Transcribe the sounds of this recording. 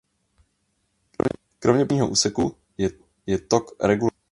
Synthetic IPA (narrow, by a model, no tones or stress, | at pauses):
kɾovɲɛbɲiːɦo̰ʔṵːsɛku | jɛt̪okɾɛɡul